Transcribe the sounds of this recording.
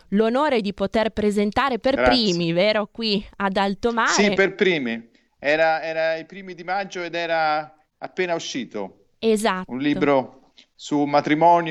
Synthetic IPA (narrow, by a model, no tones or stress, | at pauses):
lonoːɾed̪ipot̪erpɾezent̪aːɾeperɾapɾiːmiveːɾokwiad̪alt̪omaːsieperpɾiːmi | ɛːɾaɛːɾaipɾiːmid̪imad͡ʒoed̪ɛːɾa | apːeːnauʃːiːt̪o̰ | ezat̪unliːbɾo | sumat̪ɾimɔnj